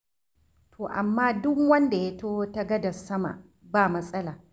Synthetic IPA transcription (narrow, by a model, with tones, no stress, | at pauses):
tʰoː˨ʔa̰˨mːaː˦dʊ˦kwɐ˦nda˨ja˦toː˦ta˦ɡɐ˦dɐ˨sɐ˦ma̰˨ | baː˦˨mɐ˦sʼɐ˦laː˨